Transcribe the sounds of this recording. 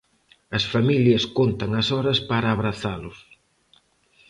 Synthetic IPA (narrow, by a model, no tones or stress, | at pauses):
ɐsfamiljɐskont̪aŋɐsɔɾɐspaɾaːβɾaθalʊs